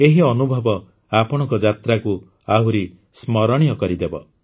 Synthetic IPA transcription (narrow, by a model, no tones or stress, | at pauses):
eɦiɔnubʱɔbɔ | apɔɽ̃ɔ̃ŋkɔd͡ʒat̪ɾaku | aɦuɾi | smɔɾɔɽ̃ijɔkɔɾid̪ebɔ̰